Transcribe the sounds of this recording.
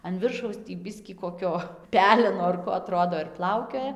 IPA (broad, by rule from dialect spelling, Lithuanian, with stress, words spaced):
ɐn ˈʋʲɪrʃɐʊs tʲiː ˈbʲɪsʲkʲiː koːˈkʲoː ˈpʲæːlʲɛnoː ɐr ˈkoː ɐˈtroːdoː ɪr ˈplˠɐʊkʲoːjɛ